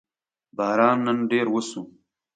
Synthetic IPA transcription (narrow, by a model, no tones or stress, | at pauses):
bɑːɾɑːnːənɖeːɾwəsu